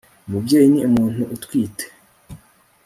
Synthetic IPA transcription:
umubɟeːjiniumuːn̥huʔutwiːte̥

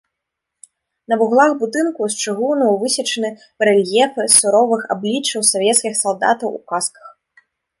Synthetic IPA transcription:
nɐbuɣlˠaxbud̪ɨnkust͡ʂɨɣuwnɐvɨsʲɐt͡ʂɐnɨ | bɾɛlʲjɛfɨsuɾɔvɨxa̰blʲit͡ʂːɐwsɔvʲɛt̪skʲixsalˠd̪a̰t̪ɐwṵkaskɐ̥x

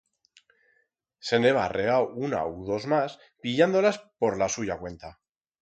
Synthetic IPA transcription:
se̞ne̞βare̞awuna̰uðo̞zmas | piʎand̪o̞laspo̞ɾlasuʝakwe̞nt̪a

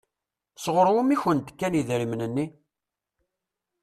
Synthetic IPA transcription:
sʁəɾwumiçənt̪kːæniðɾimnənːi

